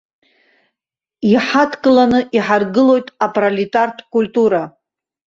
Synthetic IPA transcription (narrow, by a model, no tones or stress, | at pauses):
iħatʰkʼɨlanɨʔiħarɡɨlo̞jtʼapʰʼralitʼartʰʼkʼulʲtʼuɾa